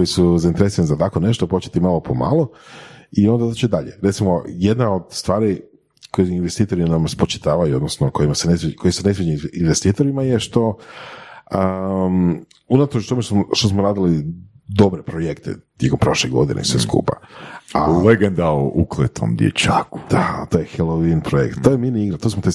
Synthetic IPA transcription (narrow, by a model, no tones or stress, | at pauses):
kojisuzaint̪eɾesiɾanizat̪ako̞ne̞ʃt̪opot͡ʃe̥t̪imalopʰo̞ma̰ːlˠoio̞nd̪ad̪at͡ʃed̪aʎeɾet̪simo̞je̞d̪naod̪st̪ʋaːɾi | kojeinʋest̪iːt̪o̞ɾinamspot͡ʃi̥t̪aːʋajuo̞d̪nosnoko̞jimasenesko̞jisune̞s̬ʋed͡ʒiinʋest̪iːt̪oɾimajeʃt̪o̞ | ə | unat̪ot͡ʃt̪o̞meʃt̪smʃt̪osmoɾaːd̪ilid̪o̞bɾepɾojekt̪ḛt̪ʲjeko̞mpɾo̞ʃleɡo̞̰d̪ḭnʔḛisʋeskṵːpa̰aleɡend̪aoʔuklˠet̪o̰md̪jḛt͡ʃa̰ːku̥d̪̥at̪ojexelˠoʋinpɾojḛkt̪t̪ːojeminiiɡɾat̪osmot̪e